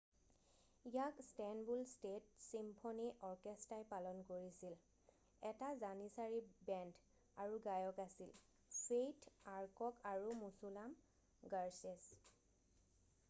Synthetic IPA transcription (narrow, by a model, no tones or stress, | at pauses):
ijakstɛnbulstet̚simpʰɔniʔɔɹkestajpalɔnkoɹisil | ɛtazanisaɹibɛnd | aɹuɡajɔkasil | sejtʰaɹkɔkaɹumusulam | ɡaɹses